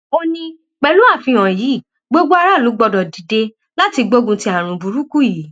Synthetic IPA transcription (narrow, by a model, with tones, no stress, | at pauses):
o˦nĩ˦ | k͡pɛ˧lu˦a˦˨fĩ˧ã˨jiː˨˦˨ | ɡ͡bo˦ɡ͡bo˦a˧ɾa˦˨lu˨˦ɡ͡bɔ˧dɔ˨di˨de˧ | la˦ti˧ɡ͡bo˦ɡũ˧ti˧˦a˨ɾ̃ũ˨bu˨ɾu˦ku˦ji˨˦